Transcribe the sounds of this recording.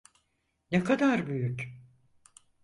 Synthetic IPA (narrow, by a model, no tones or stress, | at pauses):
nɛkʰad̪aɾbyjyc